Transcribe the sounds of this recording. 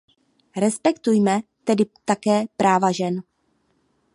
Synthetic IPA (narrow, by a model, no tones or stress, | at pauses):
ɾɛspɛkt̪ujmɛt̪ɛdɪt̪akɛːpɾaːvaʒɛn